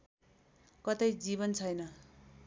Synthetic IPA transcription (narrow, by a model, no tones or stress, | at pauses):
kʌt̪ʌjd͡ziβʌnt͡sʰʌjnʌ